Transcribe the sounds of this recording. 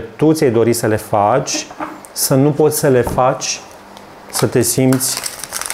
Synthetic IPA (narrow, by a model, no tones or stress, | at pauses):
t̪ut̪sʲajd̪o̞ɾisəle̞fat͡ʃʲ | sənupo̞t̪sʲsəle̞fat͡ʃʲ | sət̪e̞simt̪sʲ